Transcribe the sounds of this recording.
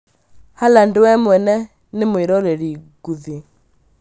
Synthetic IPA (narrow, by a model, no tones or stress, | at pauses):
halandowɛmwɛnɛ | nɪmweɾɔɾɛɾiɡ̥uði